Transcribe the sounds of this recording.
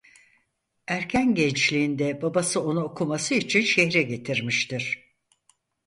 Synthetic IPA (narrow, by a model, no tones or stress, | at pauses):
æɾcʰænɟɛnt͡ʃlʲiːnd̪ɛbabasɯo̞nuokʰumasɯit͡ʃʰinʃɛçɾɛɟe̞t̪ʰiɾmiʃt̪iɾ̥